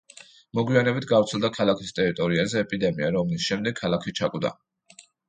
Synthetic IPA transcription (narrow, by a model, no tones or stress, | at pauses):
mɔɡwianɛbit̪ʰɡavɾt̪sʰɛlˠd̪akʰalˠakʰist̪ʼɛɾit̪ʼɔɾiazɛːpʼid̪ɛmiaɾɔmlisʃɛmd̪ɛɡkʰːalˠakʰit͡ʃʰakʼud̪a̰